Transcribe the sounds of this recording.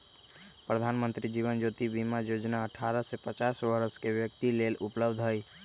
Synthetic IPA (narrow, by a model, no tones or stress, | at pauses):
pɾəd̪ʱaːnmə̃nt̪ɾid͡ʒiʋənd͡ʒoːt̪ibimajoːd͡ʒnaəʈʰaɾəsepət͡ʃaːsʋəɾəskeʋjək̚t̪ileːlʊpləbd̪ʱɦəj